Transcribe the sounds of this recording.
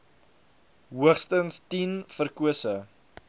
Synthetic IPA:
ɦuəχstənstinfərkuəsə

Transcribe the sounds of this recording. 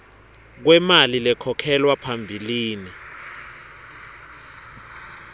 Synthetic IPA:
k̬wɛmalilɛkʰɔkʰɛlwapʰambʱiliːni

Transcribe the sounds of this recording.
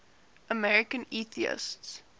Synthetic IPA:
ʔəmɛɹɪkə̃niːθiɪ̰sts

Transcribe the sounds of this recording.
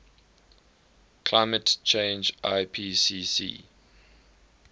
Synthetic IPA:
kʰlaɪmətt͡ʃʰẽɪnd͡ʒʔaɪpʰisiːsḭː

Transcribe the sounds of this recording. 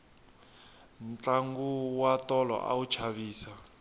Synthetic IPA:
nt͡ɬaŋɡuwatɔlɔ̰ʔa̰ut͡ʃʰaβiːsa

